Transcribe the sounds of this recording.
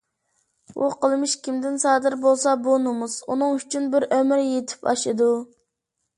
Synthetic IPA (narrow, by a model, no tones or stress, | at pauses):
uqʰəlˠmɪʃkʲimd̪ɪnsɑːd̪ɪɾbolˠsɑbunumuz̥unɨŋyt͡ʃʰynbɪɾʔømɾjet̪ʰɪ̥pɑ̰ʃɨd̪u